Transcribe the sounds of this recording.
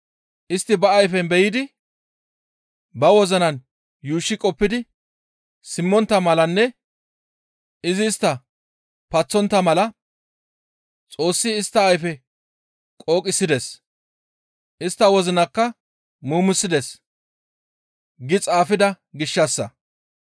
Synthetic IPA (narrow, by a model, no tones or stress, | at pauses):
ʔɪst̪ːɪbɐːjfɛnbɛjɪd̪ɪ | bɐwɔzɐnɐn | juːʃːɪkʼɔpːɪd̪ɪ | sɪmːɔnt̪ːɐmɐlɐnːɛ | ɪzɪːst̪ːɐ | pɐt͡sːɔnt̪ːɐmɐlɐ | t͡sʼo̞ːsːɪːst̪ːɐːjfɛ | kʼo̞ːkʼɪsːɪd̪ɛs | ɪst̪ːɐwɔzɪnɐkːɐ | muːmʊsːɪd̪ɛs | ɡɪt͡sʼaːfɪd̪ɐ | ɡɪʃːɐsːɐ